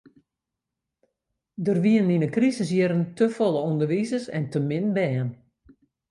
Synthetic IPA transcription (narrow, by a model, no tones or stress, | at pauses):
dərʋiəninəkrisəs̬jəɾəntəfoləundərʋizəsɛ̰ntəmɪnbɛːn